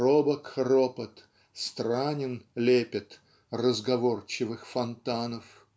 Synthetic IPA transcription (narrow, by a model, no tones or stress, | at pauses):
robəkropət̪ | st̪ɾanʲɪnlʲepʲɪt̪ | rəzɡɐvort͡ɕɪvɨxfɐnt̪anəf